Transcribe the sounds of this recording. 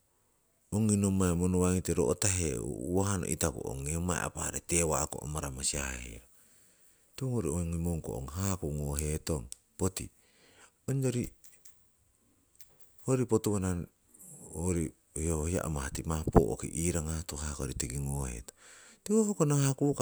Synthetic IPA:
oŋinomaemonuwaŋiteɾoʔotaɦeṵuwaɦano̰ʔitakṵo̰ŋːeomaḛa̰paha̰ɾetewakoʔo̰maɾamasiahḭɾa | teoŋoɾioŋimoŋko̰o̰ŋɦakuŋoɦetoŋ | potḭ | oɲd͡ʒoɾi | hoɾipotuwana | oɾi | hiohohia̰ʔomahatimapo̰ʔo̰kḭʔiɾaŋatoɦakoɾitiɡiŋohḛtotiohokonaŋakuka

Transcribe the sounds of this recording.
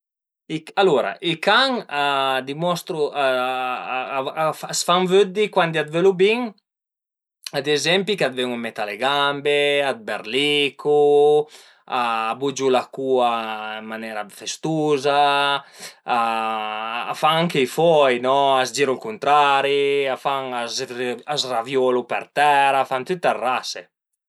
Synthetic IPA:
ialuɾa̰ʔikaŋad̪imɔst̪ɾu | fasfaŋvød̪ikwand̪iad̪velubiŋ | ad̪ezɛmpikad̪veŋumːet̪aleɡambead̪̚beɾlikʰu | aːbud͡ʒulakuːaimmanɛɾafest̪uːza | a̰ː | faŋaŋkeifɔjnɔazd͡ʒiɾulkunt̪ɾaɾiafaŋazazravjɔlupɛ̰ɾt̪ɛɾafant̪yt̪ːarːase

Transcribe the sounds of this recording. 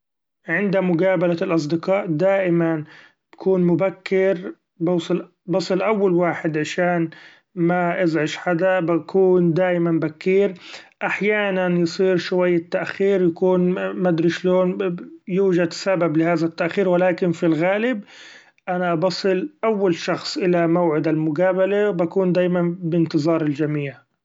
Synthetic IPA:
ʕɪnd̪amʊɡaːbalalʔɑs̬ˤd̪ɪqɑːʔd̪aːʔɪman | b̥akuːnmʊbakːɪɾ | bɑːsˤɑl | bɑsˤɨlʔawːalwaːħɪd̪ʕaʃaːn | maʔɪzʕɪʃħad̪abakʰuːnd̪aːʔɪmambakːiːɾʔaħjaːnanjɨsˤiːɾʃʊwajːat̪ːaʔxiːɾjakuːnmad̪ɾiʃloːnjuːʒad̪sabablɪhaːðat̪ːaʔxiːɾwɪlaːkɪnfilɣaːlɪb̚ | ʔanaʔbɑsˤɨlʔawːalʃɑxsˤʔɪlamawʕɪd̪almʊɡaːbalabakuːnd̪aːjmanbɪnt̪ɨzˤɑːɾˤɪld͡ʒamiːʕ

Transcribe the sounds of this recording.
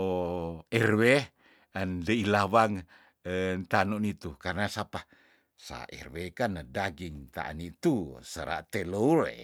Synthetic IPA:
oɛrwe | əndeilawaŋ | nt̪anonit̪ukarnasapa | sa̰ʔḛrwekanədaɡiŋt̪a̰ʔa̰nit̪usəɾa̰ʔt̪elouɾḛ

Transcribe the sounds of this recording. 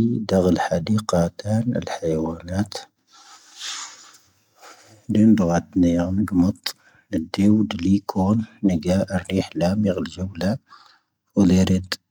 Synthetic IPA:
d̪aɣəlħad̪iqɑt̪ænə̰lħajwænæt̪ | lind̪ɣɑd̪niɣnəɡmət̪ˤ | əd̪iwd̪likʰunːəɡæʔrːiħlæmiɣəlʒəwla | wliɾid̪

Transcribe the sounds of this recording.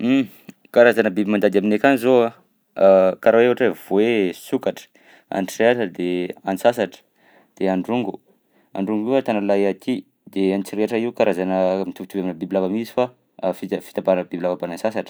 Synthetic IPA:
kaɾazanəbibimand̪ad̪aminekʲanizoa | kaɾaevaʈ͡ʂev̥oesukaʈ͡ʂə̥ | a̰nʈ͡ʂreaʈ͡ʂəd̪eanisasaʈ͡ʂə̥ | d̪̥eaɳɖ͡ʐuŋɡu | a̰ɳɖ͡ʐuŋɡiwət̪analajat̪ʰi | d̪eant͡ʃiɾeʈ͡ʂəiukaɾazanəmit̪ubit̪ubaminəbibilavamizifa | fifi̥t̪abaɾnbibilavabanansasaʈ͡ʂə̥

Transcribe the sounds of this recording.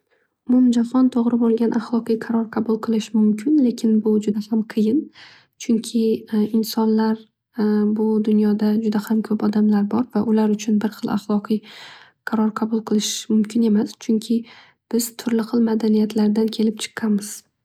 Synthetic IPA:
mʊmd͡ʒafɒnt̪ʰoʁɾɪbolˠɡʲanʔaχlˠɒqɨjqʰɑɾɒɾqʰɑbʊlˠqʰɨlˠɪʃmʊmkʲʰɪnle̞kʲʰɪnbʊd͡ʒʊd̪ahamqʰɨjɪn | t͡ʃʰʊŋkʲʰɪɪnsɒnlaɾ | bʊd̪ʊnjɒd̪ad͡ʒʊd̪ahamkʲʰɵpɒd̪amlaɾbɒɾvaʔʊlaɾʊt͡ʃʰʊnbɪɾχɨlˠa̰χlˠɒqʰɨj | qʰɑɾɒɾqʰɑbʊlˠqʰɨlˠɪʃmʊmkʲʰɪne̞mast͡ʃʰʊŋkʲʰɪ | b̥ɪz̥t̪ʰʊɾlɪqɨlˠmad̪anijat̪ʰlaɾd̪ankʲʰe̞lɪp̚t͡ʃʰɨ̥qʰːɑmɪz̥

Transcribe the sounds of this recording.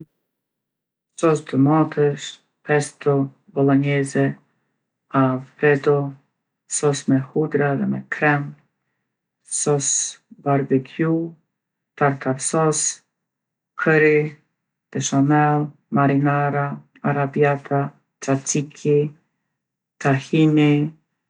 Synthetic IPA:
sɔst̪əmɔt̪ʰəʃ | pɛst̪ɔ | bɔlˠɔɲɛzɛ | avpɛd̪ɔ | sɔsmɛhud̪ɾaðɛmɛkʰɾɛm | sɔsbaɾvɛkʰju | t̪aɾt̪ʰaɾsɔs | kʰəɾi | d̪̥ɛʃamɛlˠ | maɾinaɾa | aɾabiat̪ʰa | t͡ʃat͡sikʰi | t̪ahini

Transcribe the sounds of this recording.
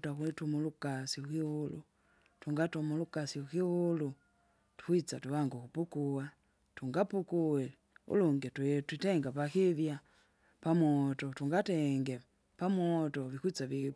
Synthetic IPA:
takwitumulukasiukihulṵ | tuŋɡatumulukasiukihulu | tu̥kwit͡satuβaŋɡukupukuwa | tuŋɡapukuwɛ | ṵluŋɡɛttwitɛŋɡapakivja | pamɔtɔtuŋɡatɛŋɡɛ | pamwɔtɔβikwit͡savi

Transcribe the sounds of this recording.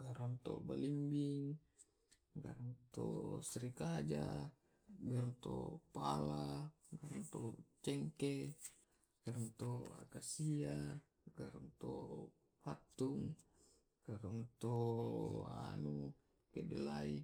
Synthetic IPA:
ɡaɾant̪o̰balimbiŋ | ɡa̰ɾant̪o̰sɾikad͡ʒa | ɡaɾɔnt̪o̰pala | ɡaɾɔnt̪ot͡ʃɛŋke | ɡ̥aɾɔnt̪oa̰kasia | ɡaɾɔnt̪o | fat̪uŋ | ɡ̥aɾɔnt̪o | a̰nu | kedɛlai

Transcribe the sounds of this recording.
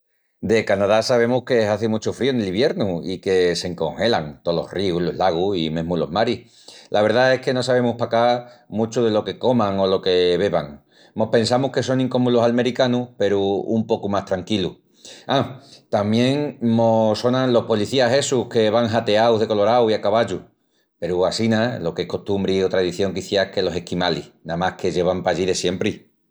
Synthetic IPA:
d̪e̞kanaðasaβ̞e̞muhke̞eɦaθemut͡ʃufɾioneliβje̞ɾnuike̞se̞ŋko̞̰ŋxe̞laŋt̪olo̞̰hriulo̞̰ɦlaɣ̞uḭmeɦmulo̞̰ɦmaɾih | lʔaβ̞e̞ɾðae̞hke̞no̞saβ̞e̞muhpakamut͡ʃuðe̞lo̞ke̞ko̞maŋo̞lo̞ke̞βe̞βa̰ŋ | mo̞hpẽ̞ns̬amuhke̞so̞ŋĩŋko̞mulosalme̞ɾikanupe̞ɾṵːmpo̞kumaht̪ɾaŋkilu | at̪amjẽ̞ŋmoso̞nãnlo̞hpo̞liθiaɦe̞suhke̞βaŋɦat̪e̞awðe̞ko̞lo̞ɾawiakaβaʎu | pe̞ɾuasinalo̞kehko̞ht̪umbɾiot̪ɾaeðiθjo̞ŋkiθjaehke̞lo̞se̞hkimalḭnamahke̞ʝe̞β̞ampaʝiðe̞sje̞mpɾi

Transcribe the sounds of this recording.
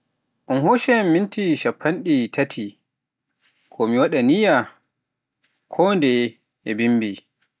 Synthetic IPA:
ʔɔnɦoʃɛmmːintiʃapʰːanɗitʰatʰi | kʰɔmiwaɗanija | kʰɔndɛ | ɛbimbi

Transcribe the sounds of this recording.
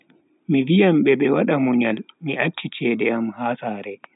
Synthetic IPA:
mivijamɓɛɓɛwaɗamuɲalmiʔat͡ʃːit͡ʃɛːdɛamhasaːɾɛ

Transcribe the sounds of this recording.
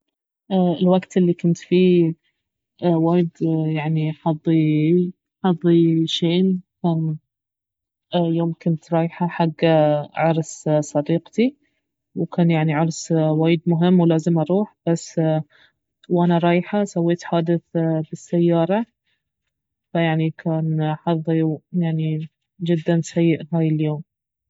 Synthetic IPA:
ʔɪlwaɡt̪ʔɪlːikʊnt̪fi | waːjɪd̪jaʕniħɑðˤːi | ħɑðˤːiʃeːnkaːn | joːmkʊnt̪ɾˤɑːjħaħaɡːaʕɑɾˤssˤɑd̪iːqt̪i | wkaːnjaʕniʕɑɾˤswaːjɪd̪mʊɦɪmːwlaːzɪmʔɑɾˤuːħb̥asː | wʔanaɾˤɑːjħasawːeːt̪ħaːd̪ɪθbɪsːajːɑːɾˤɑ | fajaʕnikʰaːnħɑðˤːijaʕni | d͡ʒɪd̪ːansajːɪʔɦaːjɪljoːm

